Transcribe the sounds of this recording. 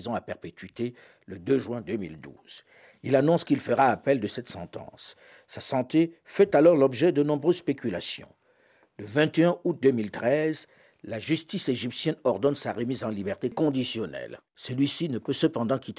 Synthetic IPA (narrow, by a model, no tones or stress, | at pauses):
zɔ̃apɛʁpet̪ɥit̪e | ləd̪øʒɥɛ̃d̪ømḭld̪ṵz̥ | ilanɔ̃skilfəʁaːpɛld̪əsɛt̪sɑ̰̃t̪ɑ̰̃sː | asɑ̃t̪efɛt̪alɔʁlɔbʒɛd̪ənɔ̃bʁøzspekʲylasjɔ̰̃ | ləvɛ̃t̪eɛ̃ut̪̚d̪ømilt̪χɛz | laʒyst̪iseʒipsjɛnɔʁd̪ɔnsaʁəmizɑ̃libɛʁt̪ekɔ̃d̪isjɔnɛ̰l | səlɥisinəpøsəpɑ̃d̪ɑ̃kʲit̪